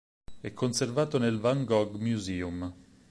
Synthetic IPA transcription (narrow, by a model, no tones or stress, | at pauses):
ɛkʰːonservaːt̪onelvaŋɡɔɡmjuziːum